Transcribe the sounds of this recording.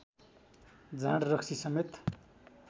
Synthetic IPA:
d͡zãɽrʌksisʌmet̪

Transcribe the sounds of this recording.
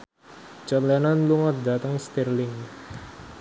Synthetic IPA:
t͡ʃɔt̪lɛnanluŋɔt̪̚dat̪əŋst̪ɛrlɪŋ

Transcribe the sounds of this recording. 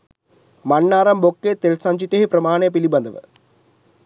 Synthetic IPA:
mɐɳːaːɾɐmbokːet̪elsɐɲd͡ʑit̪ːeɦeprɐmaːɳejpilibɐnd̪ɐʋɨ̰

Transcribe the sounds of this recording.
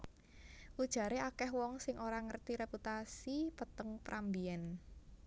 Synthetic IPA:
ʔud̥ʒ̥a̤ɾeakɛhwɔŋsɪŋʔoɾaŋərt̪iɾeput̪asipət̪əŋpɾʔambiɛn

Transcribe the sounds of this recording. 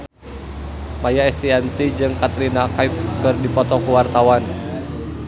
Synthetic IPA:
majaɛst̪iant̪id͡ʒɨŋkat̪ɾinakaip̚kɨrdipɔt̪ɔkuwart̪awan

